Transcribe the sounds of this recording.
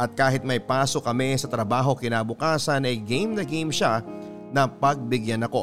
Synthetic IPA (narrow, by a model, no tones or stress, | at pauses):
ʔɐt̪̚kaːɦɪt̪̚mɐjpaːso̞kɐmɛsɐt̪ɾɐbaːɦo̞kɪnaːbʊkaːsɐnɐjɡejmnɐɡejmʃa | nɐpɐɡ̚bɪɡjanɐko̞